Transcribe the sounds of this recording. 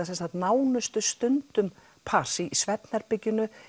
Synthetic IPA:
asɛnsθat̪naːwnʏst̪ʏst̪ʏnt̪ʏm | pʰaːr̥siisvɛt̪naɾpɪcːɪnʏ

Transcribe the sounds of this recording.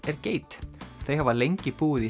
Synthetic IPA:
ɛɾceːjt̪θejhavalejɲcɪpuːɪði

